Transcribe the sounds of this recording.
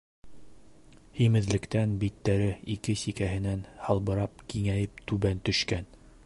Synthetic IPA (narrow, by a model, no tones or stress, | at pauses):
himɘ̆ðlɘ̆kt̪ænbit̪ːæɾɘikɘsikæɦɘ̆nænhɑlˠbɤ̆ɾɑp̚kiŋæjɘp̚t̪ʉβænt̪ɵ̆ʃkæn